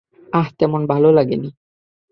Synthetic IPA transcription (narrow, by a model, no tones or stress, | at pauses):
aht̪emonbalolaɡḛni